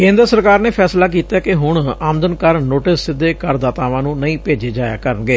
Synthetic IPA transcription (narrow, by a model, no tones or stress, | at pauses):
kẽːnd̪ɾəsəɾkaːɾneːpʰɛːslaːk̬iːt̪aːkɪɦʊɳaːmd̪ənkəɾnoːʈɪsɪd̪eːkəɾd̪aːt̪aːʋãːnũːnəĩːpeːd͡ʒeːd͡ʒaːja̰ːkəɾənɡeː